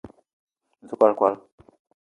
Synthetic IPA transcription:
zu˦kʷa˦˨lkwa˦l

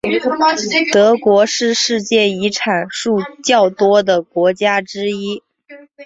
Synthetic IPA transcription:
t̪ɤ˧˥kwɔ˧˥ʂɻ̩˥˧ʂɻ̩˥˧t͡ɕjɛ˥˩i˧˥ʈ͡ʂʰa˨˩nʂu˥˧t͡ɕjɑ˥˩ʊt̪wɔ˥d̪ə˨kwɔ˧˥t͡ɕja˥ʈ͡ʂɻ̩˥i˥

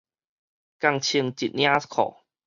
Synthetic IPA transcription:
ka˧ŋt͡ɕʰi˧əŋt͡ɕi˨t̪̚nj̃ḁ̃˦kʰɔ̰˨˩

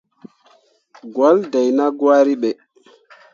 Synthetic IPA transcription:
ɡwa˦lda˨jna˦ɡwa˦ɾi˦ɓɛ˨

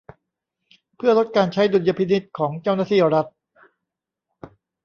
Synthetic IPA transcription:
pʰɯ˥˩ɐlo˦˥t̪̚kaː˧nt͡ɕʰa˦˥jdu˧nja˧˩pʰi˧˥ni˦˥t̪̚kʰɔː˩˦ŋt͡ɕa˥˩wnaː˥˧t̪ʰiː˥˩ɾa˦˥t̪̚

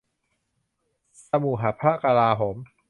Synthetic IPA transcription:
sa˧mu˨˩ɦa˩˦pʰɾa˦˥˩ka˧laː˧ɦoː˩˦m

